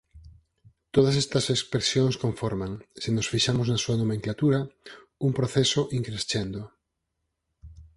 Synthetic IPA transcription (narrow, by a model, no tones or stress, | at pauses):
t̪oð̞ɐsest̪ɐsespɾesjoŋskõɱfoɾmaŋsenosfiʃamoznɐsuɐnomẽŋklat̪uɾɐ | uŋpɾoθesoʔiŋkɾest͡ʃend̪o